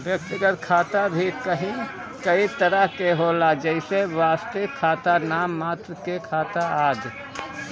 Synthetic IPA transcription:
bjək̚t̪iɡət̪kʰaːt̪abʱikəɦĩ | kəit̪əɾəɦkeɦolad͡ʒəɪseʋaːst̪ekʰːaːt̪anaːmːaːt̪ɾəkekʰaːt̪aaːd͡ʒ

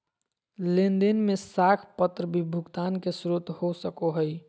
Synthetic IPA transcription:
lend̪inmesakʰpət̪ɾəbʱibʱuɡt̪ankesɾut̪hosəkoɦəj

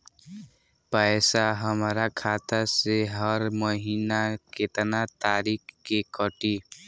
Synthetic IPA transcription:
pəjsaɦəmɾakʰaːt̪aseɦəɾməɦiːnaket̪nat̪aːɾiːkkekəʈi

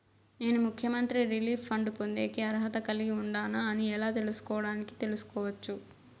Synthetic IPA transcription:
ne̞ːnumukʰjɐmɐnt̪ɾiɾiliːpʰːɐɳɖpond̪e̞ːkiɐɾɦɐt̪ɐkɐliɡiuɳɖaːnaːniɛlaːt̪e̞lusu̥kɔːʋɐɽaːniki̥t̪e̞lusu̥kɔːʋɐt͡ʃːu

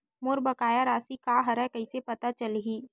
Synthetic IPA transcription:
moːɾbɐkaːjaɾaːsikaːɦɐɾɛkɐisepɐt̪at͡ʃɐlɦiː

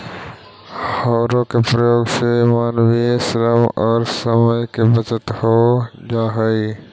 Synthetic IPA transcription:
hɔːɾokepɾɐjoːɡsemaːnʋiesɪɾəmɔːɾsɐməjkebɐt͡ʃət̪hoːd͡ʒaːɦəi

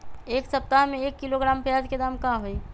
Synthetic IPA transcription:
eːksɐp̚t̪aɦmẽeːkːiloɡɾaːmpjaːd͡ʒked̪aːmkãɦoi

